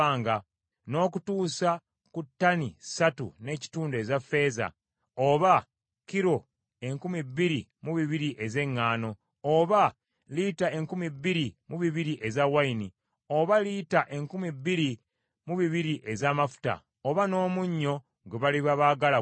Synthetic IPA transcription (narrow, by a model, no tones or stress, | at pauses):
aːŋɡa | no̞ːkutuːsa | kutːanisatṵne̞ci̥tuːnde̞zafːe̞ːza̰ | oβa | kiɾo̞ | e̞ŋkumibːiɾimuβiβiɾiʔe̞ze̞ŋːaːno̞ | oβa | liːtae̞ŋkumibːiɾimuβiβiɾiʔe̞zawaini | o̞βalitaʔe̞ŋkumibːiɾi | muβiβiɾiʔe̞zaːmafu̥ta̰ | oβano̞ːmuɲːo̞ | ɡeβaliβaβaɡala